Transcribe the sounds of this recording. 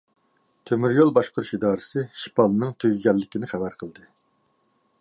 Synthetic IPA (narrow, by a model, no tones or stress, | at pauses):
t̪ʰømyɾjolˠbɑʃqʊɾuʃid̪ɑːɾɨsɨʃi̥pɑlˠɨnɨŋt̪ʰøɡʲiɡʲɛlːɪkʲinɪχæbæɾqʰəlˠd̪ɨ